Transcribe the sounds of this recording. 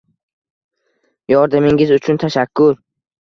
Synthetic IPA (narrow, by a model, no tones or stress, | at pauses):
jɒɾd̪amɪŋɪzʊt͡ʃʰʊnt̪ʰaʃakʰːʊɾ